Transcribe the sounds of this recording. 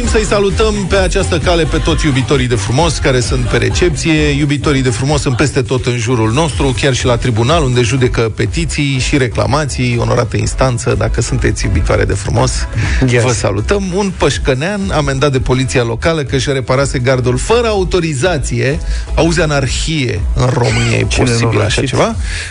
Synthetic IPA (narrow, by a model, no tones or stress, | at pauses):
imsəjsalut̪əmpe̞at͡ʃast̪əkale̞pe̞t̪o̞t̪sʲjubit̪o̞ɾijd̪e̞fɾumo̞skaɾe̞sunt̪̚pe̞ɾḛt͡ʃe̞p̚t̪sije̞jubit̪o̞ɾijd̪e̞fɾumo̞sunpe̞st̪e̞t̪o̞t̪ɨnʒuɾulno̞st̪ɾukʲarʃilat̪ɾibunalund̪e̞ʒud̪e̞kəpe̞t̪it̪sijʃiɾe̞kla̰mat̪sijo̞̰no̞̰ɾa̰t̪əḭnst̪ant̪səd̪akəsunt̪e̞t̪sʲjubit̪oaɾḛd̪e̞fɾṵmo̞svəsa̰lut̪əmunpəʃkəneaname̞nd̪at̪̚d̪e̞po̞lit̪sialo̞kaləkəʃɾe̞paɾase̞ɡard̪ulfəɾəaut̪o̞ɾizat̪sije̞auzeanarxije̞̰ɨnro̞̰mɨniḛj̰posibḭla̰ʃat͡ʃe̞va